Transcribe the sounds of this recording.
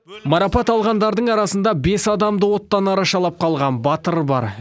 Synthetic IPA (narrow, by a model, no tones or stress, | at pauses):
mɑɾɑpɑt̪ɑlˠʁɑnd̪ɑɾd̪əɴɑɾɑsənd̪ɑbe̞sɑd̪ɑmd̪əwo̞t̪ːɑnɑɾɑʃɑlˠɑp̚qʰɑlˠʁɑnbɑt̪əɾbɑ̰ɾ